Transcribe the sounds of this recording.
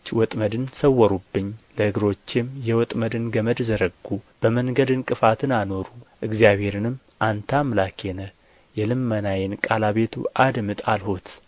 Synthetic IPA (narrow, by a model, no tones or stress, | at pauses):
t͡ʃːwɔt̪ʼməd̪ɨnsəwːəɾubːɨɲːləhɨɡɾo̞t͡ʃːɪmjɛwɔt̪ʼməd̪ɨnɡəməd̪zəɾəɡːub̥əməŋɡəd̪ɨnkʼɨfat̪ʰɨnano̞ɾuʔɨɡzijaβhe̞ɾɨnɨm | ʔant̪ʰamlakʰenə | jɛlɨmːənajɪnkʼalaβe̞t̪ʰṵʔad̪mɨt̪ʼalhot̪